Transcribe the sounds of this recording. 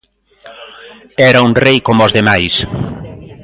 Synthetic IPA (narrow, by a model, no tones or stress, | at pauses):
ɛɾauŋrejkomɔzðemajs